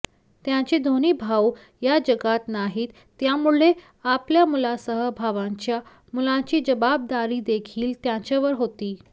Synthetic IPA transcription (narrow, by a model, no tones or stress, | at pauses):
t̪jãɲt͡ɕiːd̪ʱoñiːbʱaw | jad͡ʑəɡat̪naɦiːt̪ːjamuɭɭe | apljamulasəɦəbʱaʋãɲt͡ɕja | mulãt͡ɕiːd͡ʑəbab̚d̪aɾiːd̪ekʰiːlt̪jãt͡ɕeʋəɾɦot̪iː